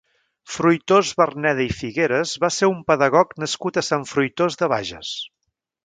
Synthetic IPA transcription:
fɾujt̪ozβərnɛðəifiɣeɾəzβaseɾumpəðəɣɔknəskut̪əsaɱfɾujt̪ozðəβ̞a̰ʒə̰s

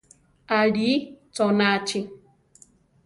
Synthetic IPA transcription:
aɾiːtɔnaat͡ʃɪ

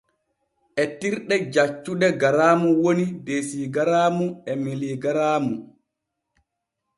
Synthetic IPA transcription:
ʔɛtiɾɗɛd͡ʒat͡ʃːuɗɛɡaɾaːmuwonidesiːɡaɾaːmuɛmeliɡaɾaːmu

